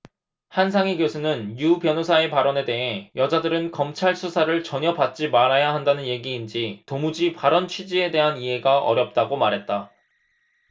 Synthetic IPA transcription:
hansʰaŋiɡjosʰunɯnjupjʌnosʰae̞paɾʌne̞de̞ɦe̞jʌd͡ʑadɯɾɯnkʌmt͡ɕʰaɭsʰusʰaɾɯɭt͡ɕʌɲʌbat̚t͡ɕ͈imaɾajaɦandanɯnje̞ɡiːnd͡ʑitomud͡ʑipaɾʌnt͡ɕʰɥid͡ʑie̞de̞ɦaniɦe̞ɡaʔʌ̰ɾjʌp̚t͈aɡomaɾɦe̞t̚t͈a

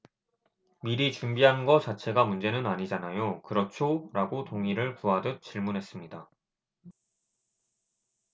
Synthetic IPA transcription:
miɾit͡ɕumbiɦanɡʌt͡ɕat͡ɕʰe̞ɡamund͡ʑe̞nɯnaɲid͡ʑanajokɯɾʌt͡ɕʰoɾaɡotoŋiɾɯɭkuɦadɯt͡ɕ͈iɭmunɦe̞s͈ɯmɲida

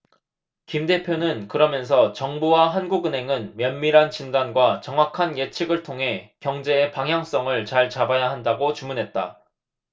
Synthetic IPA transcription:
kimde̞pʰjonɯnkɯɾʌmjʌns̬ʰʌt͡ɕʌŋbuwaɦanɡuɡɯnɦe̞ŋɯnmjʌnmiɾɦant͡ɕindanɡwat͡ɕʌŋwakʰanjet͡ɕʰiɡɯɭtʰoŋɦe̞kjʌŋd͡ʑe̞ːpaŋɦjaŋs͈ʌŋɯɭt͡ɕaɭt͡ɕabajaɦandaɡot͡ɕumunɦe̞t̚t͈a̰

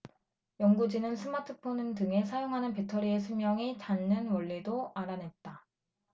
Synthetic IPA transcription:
jʌŋɡud͡ʑinɯnsʰɯmatʰɯpʰonɯndɯŋe̞sʰajoŋɦanɯnpe̞tʰʌɾie̞sʰumjʌŋit͡ɕanːɯnwʌʎːidoaɾane̞t̚t͈a

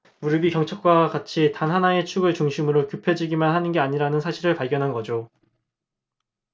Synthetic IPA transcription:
muɾibikjʌŋt͡ɕʰʌk̚k͈wakat͡ɕʰitanɦanae̞t͡ɕʰuɡɯɭt͡ɕuŋɕʰimɯɾokjupʰe̞d͡ʑiɡimanhanɯnɡe̞aɲiɾanɯnsʰaɕʰiɾɯɭpaɭɡjʌnɦanɡʌd͡ʑo

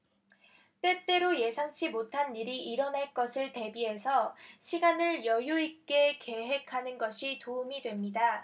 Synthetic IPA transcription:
t͈e̞t͈e̞ɾoje̞sʰaŋt͡ɕʰimotʰanːiɾiiɾʌnaɭk͈ʌsʰɯɭte̞biɦe̞sʰʌɕʰiɡanɯɭjʌjuik͈e̞ke̞ɦe̞kʰanɯnɡʌɕʰitoumidwe̞mɲida

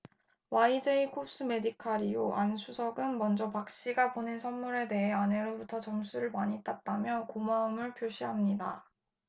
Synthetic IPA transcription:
waid͡ʑe̞ikʰop̚s͈ɯme̞dikʰaɾijoʔansʰusʰʌɡɯnmʌnd͡ʑʌpak̚ɕ͈iɡaponensʰʌnmuɾe̞te̞ɦe̞ane̞ɾobutʰʌt͡ɕʌmsʰuɾɯɭmaɲit͈at̚t͈amjʌkomaɯmɯɭpʰjoɕʰiɦamɲida̰

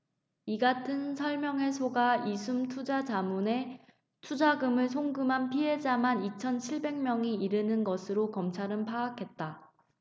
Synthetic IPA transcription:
iɡatʰɯnsʰʌɭmjʌŋe̞sʰoɡaisʰumtʰud͡ʑad͡ʑamune̞ | tʰud͡ʑaɡɯmɯɭs̬ʰoŋɡɯmɦanpʰiɦe̞d͡ʑamanit͡ɕʰʌnt͡ɕʰiɭbe̞ŋmjʌŋiiɾɯnɯnɡʌsʰɯɾokʌmt͡ɕʰaɾɯnpʰaːkʰe̞t̚t͈a

